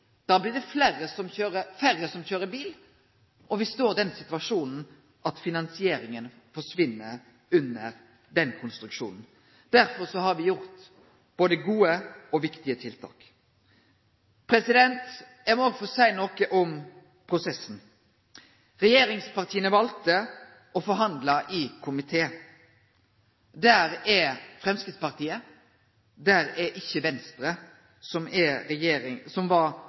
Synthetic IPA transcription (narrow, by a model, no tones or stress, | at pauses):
d̪̥ɑːblɪd̪ɛfleːɾəsɔmçøːɾəfæɾəsɔmçøːɾəbiːl | ʔɔʋɪst̪oːɾd̪ɛnsɪt̪ʉʋɑʂuːnn̩ | ʔɑt̪fɪnɑnsɪeːɾɪŋən | fɔʂʋɪnːəɾ | ʉnːəɾ | d̪ɛnkʰʊnst̪ɾʉkʂṵːnn̩ | d̪̥æɾfɔɾsɔhɑɾʋɪjʊʁt̪ | b̥oːd̪əɡuːəɔʋɪkt̪ɪət̪ʰɪlt̪ʰɑ̰ːk | pʰɾɛsɪd̪ɛnt̪ | ɛmɔɡfɔsæɪnoːkəʔɔm | pʰɾʊsɛsn̩ | ɾɛjeːɾɪŋspɑʁt̪ʰiːənəʋɑlt̪ə | ɔfɔɾɦɑnd̪lɑʔɪkʰʊmɪt̪ʰeː | d̪æɾɛfʁɛmskɪt̪spɑʁt̪ʰiːə | d̪æɾɛʔɪçːəʋɛnst̪ɾə | sɔmɛɛjeːɾɪsɔmʋɑɾ